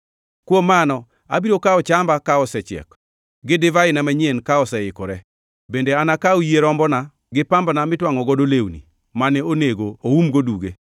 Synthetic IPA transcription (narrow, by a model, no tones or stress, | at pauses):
kwomːanɔ | a̰biɾokaɔt͡ʃambakaɔsɛt͡ʃɪɛ̰k | ɡɪdɪvaɪnamaɲjenkaɔsɛɪkɔɾɛ | bendeanakaujeɾɔmbɔna | ɡɪpambnamɪtwaŋɔɡɔdolewnḭ | manɛoneɡooumɡoduɡe